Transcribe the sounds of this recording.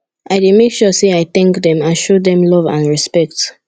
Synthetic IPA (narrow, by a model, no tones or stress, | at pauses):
ʔaɪdemekʃuseaɪθɛ̃ŋkdɛ̃mãnʃodɛ̃mlɔvã̰nɹispɛk̚t